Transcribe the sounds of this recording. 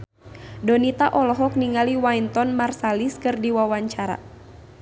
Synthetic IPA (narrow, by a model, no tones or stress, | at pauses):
dɔnit̪aʔɔlɔɦɔk̚niŋaliwaint̪ɔnmarsaliskɨrdiwawaɲt͡ʃaɾa̰